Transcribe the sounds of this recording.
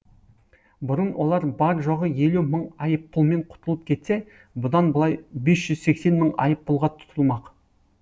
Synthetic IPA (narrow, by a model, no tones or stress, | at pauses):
bʊɾənwʔo̞lˠɑɾbɑɾʒo̞ʁəje̞luməɴɑjəpːʊlˠme̞ɴqʰʊ̥t̪əlˠəp̚kʲʰe̞t̪se̞ | bʊd̪ɑnbəlˠɑjbe̞sʒ̥ʏz̥se̞kse̞nməɴɑ̰jəpːʊlˠʁɑt̪ʰʊ̥t̪ʰəlˠmɑq